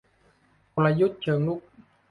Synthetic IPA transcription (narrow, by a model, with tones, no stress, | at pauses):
o˧la˧ju˦˥t̪̚t͡ɕʰɯ˨˩˦ŋlu˦˥k̚